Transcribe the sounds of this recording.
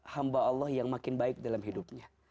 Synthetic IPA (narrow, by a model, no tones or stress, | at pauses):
hambaɑlːɔhjaŋmakɪnbaɪk̚dalamɦidup̚ɲa